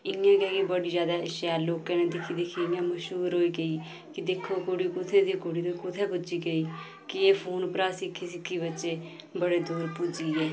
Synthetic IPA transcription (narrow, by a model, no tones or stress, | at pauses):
ɪãːkɛːkibəɽiːd͡ʒjaːd̪aːɪʃjaːloːkãːneːd̪ɪkʰiːd̪ɪkʰiːɪãːməʃɦuːɾɦoːiːɡəiː | kɪd̪ɪkʰːoːkoɽiːkʊt̪ʰeːd̪iːkoɽiːt̪õkʊt̪ʰɛːpʊd͡ʒiːɡəiː | kɪeːpʰoːnpɾaːsɪkʰːiːsɪkʰːiːbətːʃeː | bəɽeːd̪uːɾpʊd͡ʒiːɛː